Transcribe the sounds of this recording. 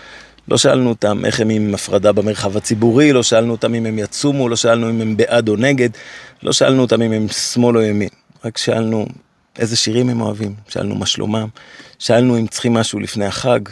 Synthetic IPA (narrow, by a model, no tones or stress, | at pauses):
lo̞̰ʃaʔa̰lnuot̪amʔḛχemimafʁadabemeʁχavat͡sibuʁilo̞ʃaʔalnuotamimemjat͡sumulo̞ʃaalnuimembeʔad̪o̞ne̞ɡe̞d̪lʔo̞̰ʃaʔa̰lnuot̪amimemsmo̞lojamin | ʁakʃaʔalnu | ʔe̞̰zeʃiʁimhemo̞̰avimʃa̰ʔa̰lnṵmaʃlo̰mamʃaʔalnuimt͡sχimːaʃulifne̞jhaχaɡ